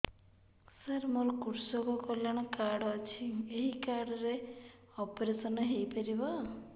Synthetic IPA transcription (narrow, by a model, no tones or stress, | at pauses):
səɾmolkuɾsɔkɔkɔljaɽ̃ɔkaɽːt͡ʃʰieɦikaɽɔɾe | ɔpɔɾesɔnɔɦejpeɾibɔ